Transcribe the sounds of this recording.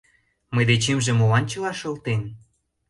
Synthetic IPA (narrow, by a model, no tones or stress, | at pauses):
məjd̪et͡ɕemʒĕmolɑnt͡ɕɤ̆lɑʃɤ̆lt̪en